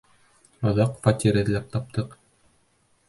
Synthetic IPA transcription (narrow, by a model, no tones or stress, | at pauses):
ɑðɑqfɑt̪ʲiɾɘ̆ðlæp̚t̪ɑp̚t̪ʰɤq